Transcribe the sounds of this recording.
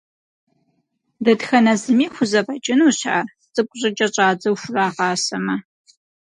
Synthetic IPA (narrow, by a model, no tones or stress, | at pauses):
dɐdxɐnɐzɨmiːxʷʊzɐbɐt͡ʃʼɪnuːɕa | t͡sʼɨpkʷʼʊʑʼɐt͡ʃʼɐt͡ʃʼaːd͡zɐwʃʷʊraːʁɑːsɐmɐ